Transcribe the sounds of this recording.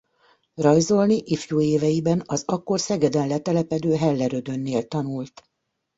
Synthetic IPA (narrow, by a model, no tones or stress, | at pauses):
rɒjzo̞lniʔifjuːeːvɛjibɛnɒzɒkːo̞rsɛɡɛd̪ɛnlɛt̪ɛlɛpɛd̪øːɦɛlːɛɾød̪ø̞nːeːlt̪ɒnult̪